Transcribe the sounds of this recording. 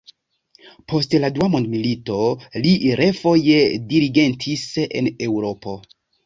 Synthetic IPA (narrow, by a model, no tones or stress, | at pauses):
pʰo̞stladuamondmilito̞liɾʔefo̞jediɾiɡe̞ntʰisḛnewɾo̞po̞